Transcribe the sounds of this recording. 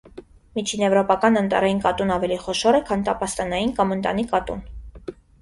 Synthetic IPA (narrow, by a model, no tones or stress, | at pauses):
mit͡ʃʰinɛvɾɔpɑkɑnənt̪ɑ̰ɾɑjinkɑt̪unɑvɛliχɔʃɔɾɛkʰɑnt̪ɑpɑst̪ɑnɑjinkɑmənt̪ɑ̰nikɑt̪ṵn